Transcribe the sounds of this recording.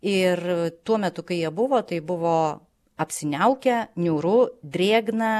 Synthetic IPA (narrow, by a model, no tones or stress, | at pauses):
ɪrt̪uɔmʲɛt̪ʊkɐɪjiɛbʊʋoːt̪ɐɪbʊʋoː | ɐpʲsʲɪnʲɛʊkʲɛnʲuːɾʊd̪ʲɾʲeːɡnɐ